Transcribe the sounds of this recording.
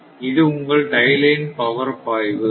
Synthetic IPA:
ɪðɯʊŋɡɐɭɖɐɪlɐɪnpɐʋɐɾpaːjʋɯ

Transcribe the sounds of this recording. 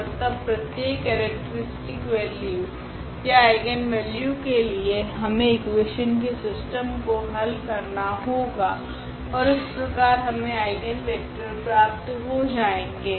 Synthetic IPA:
mɐt̪ɐbpɾɐt̪jeːkːɛːɾɛk̚ʈəɾɪsʈɪkʋɛːlju | jaaːɪɡənʋɛːljukelieɦɐmẽɪkweːʃənkesɪsʈəmkoɦɐlkɐɾnaɦoːɡaː | ɔːɾɪspɾɐkaːɾɦɐmẽaːɪɡənpɛːk̚ʈəɾpɾaːp̚t̪ɦod͡ʒaːẽːɡeː

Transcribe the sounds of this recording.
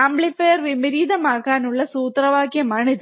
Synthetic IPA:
ɐmbɭifɐjɐɾʋɪmɪɾiːðɐmaːɣaːnʊɭːɐsuːt̪ɾɐʋaːkɪjɐmɐɳɪð

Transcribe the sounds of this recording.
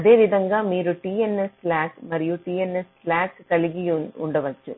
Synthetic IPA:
ɐðeːʋɪðɐŋɡaːmiːɾɯʈiːɛnɛslaːkmɐɾɪjuʈiːɛnɛslaːkkɐɭɪɣijunʊ̰ɳɖɐʋɐt͡ʃːɯ

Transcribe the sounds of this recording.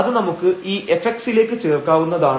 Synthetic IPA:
ɐðɨnɐmukːɨiːʔe̞fekʈsile̞ːkːɨt͡ɕeːrkːaːʋunːɐðaːɳ

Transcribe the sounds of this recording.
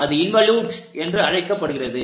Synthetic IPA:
ɐðɯɪnʋɐljuːɖɛndrɯɐɻɐɪkːɐpːɐɽɯɣɪrɐðɯ

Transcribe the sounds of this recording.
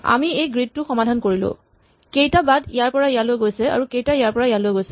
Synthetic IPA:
a̰miejɡɹid̚tʊxɔmadʱankoɹilʊ̰ | kejtabadijaɹpɔɹaijalojɡojsɛa̰ɹukejtaijaɹpɔɹajalojɡojsɛ

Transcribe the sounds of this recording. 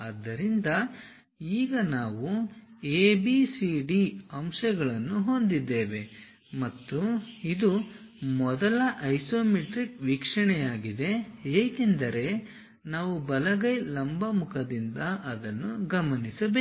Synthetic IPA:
ɐd̪ːɐɾind̪ɐ | iːɡɐnaːʋueːbisiɖiɐmʃɐɡɐɭɐnːuɦond̪id̪ːe̞ːʋe̞ | mɐt̪ːuid̪u | mɔd̪ɐlɐʔɐjsoːmiʈɾikʋikʂɐɳɛjaːɡid̪e̞ɦeːke̞nd̪ɐɾe̞ | naːʋubɐlɐɡɐjlɐmbɐmukʰɐd̪ind̪ɐʔɐd̪ɐnːuɡɐmɐnisɐbeː

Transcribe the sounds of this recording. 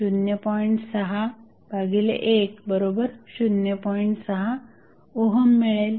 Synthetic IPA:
ɕunjəpɔjɳʈsəɦa | bʱaɡilḛʔekbəɾobəɾɕunjəpɔjɳʈsəɦa | oɦəmːiɭel

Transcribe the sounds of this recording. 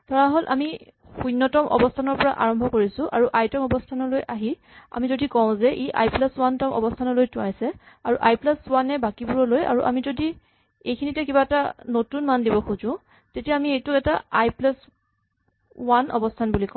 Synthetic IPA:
tʰɔɹaɦolʔa̰mi | xunːɔtɔmʔɔ̰bɔstʰanɔɹpɔɹa̰ʔa̰ɹɔmbʱɔkoɹisʊ̃ʔaɹuʔajtɔmɔbɔstʰanɔlojʔaɦi | a̰mizodikɔʊ̃zɛʔiʔa̰jplaswantɔmɔ̰bɔstʰanɔlojtʊ̃ajsɛ | aɹuʔajplaswanɛbakibuɹɔloja̰ɹuʔa̰mizodi | ejkʰinitɛkibaɛtanotunmandibɔxuzʊ̃ | tetijaːmiejtʊkɛtaajplas | wanɔ̰bɔstʰanbulikɔ̃

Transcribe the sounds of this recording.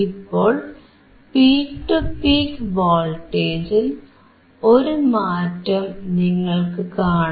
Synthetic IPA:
ipːo̞ːɭ | piːkʈɨpiːkʋoːlʈːeːd͡ʑil | o̞ɾumaːtːɐmniŋːɐɭkɨkaːɳ

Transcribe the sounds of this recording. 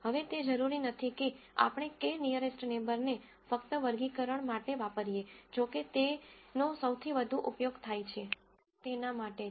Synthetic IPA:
ɦəʋet̪ed͡ʒəɾuɾinət̪ʰikea̰pɽ̃ekenijəɾesʈnebəɾne | fəkt̪əʋəɾɡikəɾəɳmaʈeʋapəɾijed͡ʒoket̪enosəwt̪ʰiʋəd̪ʱuʔupjoɡt̪ʰajt͡ʃʰe | t̪enamaʈe

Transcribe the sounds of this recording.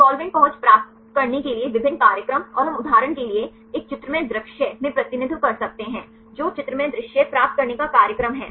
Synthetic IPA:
saːlʋɪ̃ɳʈ̚pɐɦʊ̃t͡ʃpɾaːp̚t̪ | kɐɾnekelieʋɪbʱɪnːkaːɾjəkɾəmɔːɾɦɐmʊd̪ʱaːɾəɽ̃kelie | eːk̚t͡ʃɪt̪ɾəmẽd̪ɾɪkʃəmẽpɾɐt̪ɪnɪd̪ʱwkɐɾsɐk̚t̪eɦɛ̃ː | d͡ʒoːt͡ʃɪt̪ɾəmẽd̪ɾɪʃjəpɾaːp̚t̪̚kɐɾnekakaːɾjəkɾəmɦɛ̰ː

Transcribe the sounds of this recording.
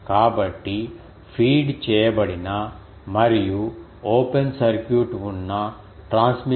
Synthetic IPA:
kaːbɐʈːi | fʰiːɖt͡ʃeːebɐɽina | mɐɾiju | oːpensɐɾkjuːʈʋuɳna | ʈɾãːnsmi

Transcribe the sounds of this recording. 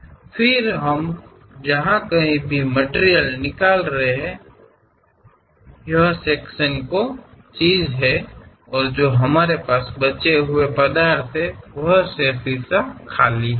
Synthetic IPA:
fʰɪɾɦəm | d͡ʒɐɦãkɐɦĩbʱiməʈeɾijəlnɪkaːlɾəɦeɦɛ̃ | jɐɦseːkʃənkot͡ʃiːzɦɛ | ɔːɾd͡ʒoːɦɐmaːɾepaːsbɐt͡ʃeɦʊepɐd̪aːɾt̪ʰɦɛʋɐɦsepɪɾsakʰaːli

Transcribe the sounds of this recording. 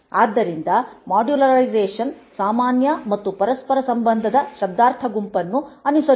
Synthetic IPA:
aːd̪ːɐɾind̪ɐmaːɖjulɐɾɐɾɐjzeːʂɐnsaːmaːnjɐmɐt̪ːupɐɾɐspɐɾɐsɐmbɐnd̪ʱɐd̪ɐʃɐb̚d̪aːɾt̪ʰɐɡumpɐnːuɐnisɐ

